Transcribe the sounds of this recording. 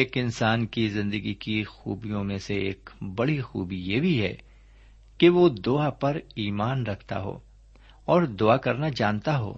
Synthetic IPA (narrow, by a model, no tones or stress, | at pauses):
eːkɪ̃nsaːnkizɪ̃nd̪əɡikixṵːbijõmẽseḛːkbɐɽixuːbijebʱiɦɛ̰ | keʋod̪ʊapɐɾiːmaːnɾɐkʰt̪a̰ɦo̰ː | ɔːɾd̪ʊakɐɾnad͡ʒaːnt̪aɦo̰ː